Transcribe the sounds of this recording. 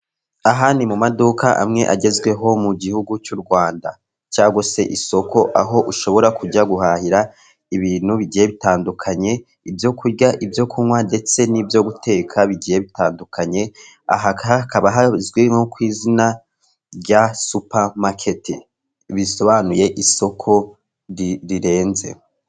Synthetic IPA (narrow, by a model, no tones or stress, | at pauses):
aɦaːnimumadukʰaʔa̰mŋe̞̰ʔaɟe̞zɡwe̞ɦo̞muɟihuɡut͡ʃuɾɡwaːnda̰ | t͡ʃaːɡose̞̰ʔiso̞kʰo̞ʔa̰ɦo̞ʔuʃo̞βo̞ɾakuɟaɡuɦahiɾa | iβiːnhuβiɟije̞βitaːndukʰaɲe̞ | ibjo̞kʰuɾɟaʔibjo̞kʰuŋwande̞t͡se̞nibjo̞ɡutʰe̞ːkʰaβiɟije̞βitaːndukʰaɲe̞ | a̰ɦaakaβaɦazɡwiŋokwiːzina | ɟasupamakʰeti | βiso̞βanuje̞ʔisokʰo̞ | ɾiɾiɾe̞ːnze̞̰